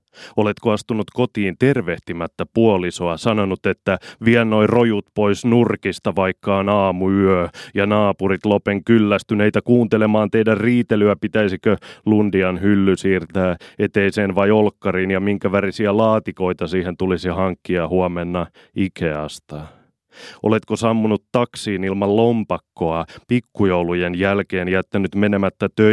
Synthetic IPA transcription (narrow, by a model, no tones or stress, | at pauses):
ole̞t̪koɑst̪unut̪kot̪iːnt̪e̞rʋeht̪imæt̪ːæpuolisoɑsɑnonut̪et̪ːæʋiɛlno̞irojut̪poisnurkist̪ɑʋɑikːɑnɑːmuyøjɑnɑːpurit̪lopeŋkylːæst̪yneit̪ækuːnt̪elemɑːnt̪eidærriːt̪elyæpit̪æisikølundiɑnhylːysiːrt̪æːet̪eiseːnʋɑiolkːɑriːnjɑmiŋkæʋærisiælɑːt̪ikoit̪ɑsiːhent̪ulisihɑŋkːiɑhuɑmenːɑ | ikeɑst̪ɑ | ʔo̰let̪kosɑmːunut̪tɑksiːnilmɑllompɑkːoɑpikːujoulujenjælkeːnjæt̪ːænyt̪menemæt̪ːæt̪ø